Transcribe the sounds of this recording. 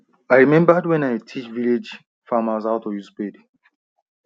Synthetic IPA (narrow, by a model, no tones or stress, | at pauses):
ajɹimɛ̃mbadwɛ̃naɪtʰit͡ʃviled͡ʒ | famazaʊtɔjusped